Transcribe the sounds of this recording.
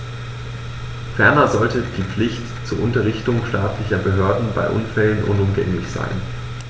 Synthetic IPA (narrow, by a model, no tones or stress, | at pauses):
fɛɐnɐzɔltəd̥iːp͡flɪçt | t͡suːɐʔʊntɐʁɪçtʊŋʃtaːtlɪçɐbəɦøːɐdn̩ba̰ɪʔʊnfɛlənʔʊ̰nʊmɡɛ̰ŋlɪçz̥a̰ɪn